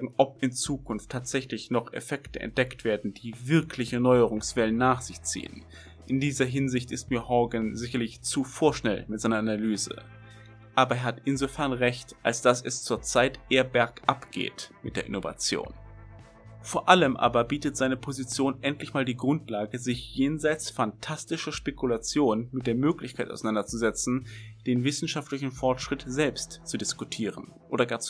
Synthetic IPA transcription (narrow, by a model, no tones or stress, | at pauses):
ɡŋ̩ʔɔp̚ɪnt͡suːkʰʊnftʰːaːtz̥ɛçlɪçnɔχḛfɛktəʔɛ̰nt̚d̥ɛktv̥eːɐdn̩d̥iːvɪɐkʰlɪçənɔʏəʁ̞ʊŋsv̥ɛlənːaːχz̥ɪçt͡sḭːə̰n | ʔɪndiːzɐɦɪnzɪçtɪstmiːɐhɔɡənzɪçɐlɪçt͡sufoːɐʃnɛlmɪtz̥aɪnɐʔanalyːzə̰ | ʔaːbɐeːɐhatɪnzofɛɐnʁɛçtʔalsd̥asɛst͡suːɐt͡saɪtʔeːɐbɛɐkʔapɡ̥ḛːtmɪtd̥eːɐʔɪ̰nova̰t͡sjo̰ːn | foːɐʔaləmʔa̰ːbɐbiːtətz̥aɪnəpʰozit͡sjoːnʔɛntlɪçmaːldiːɡʁʊntlaːɡəzɪçjeːnzaɪt͡sfantʰastɪʃɐʃpekulat͡sjoːnnmɪt̚d̥eːɐmøːklɪçkʰaɪtʔaʊsanandɐt͡suzɛt͡sn̩d̥eːnvɪsn̩ʃaftlɪçn̩fɔɐtʃʁ̥ɪtz̥ɛlpstt͡sudɪskutʰiːʁ̞ən | ʔoːɾɐɡaːɐt͡s